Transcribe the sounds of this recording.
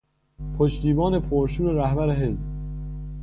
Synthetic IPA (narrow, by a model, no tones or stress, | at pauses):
pʰoʃt̪iːbɒːne̞pʰoɾʃuːɾeɾæhbæɾeɦez